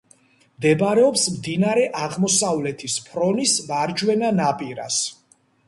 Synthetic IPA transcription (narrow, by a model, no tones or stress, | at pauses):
md̪ɛbaɾɛɔpsmd̪inaɾɛʔaʁmɔsavlɛt̪ʰispʰɾɔnisvaɾd͡ʒwɛnanapʼiɾa̰s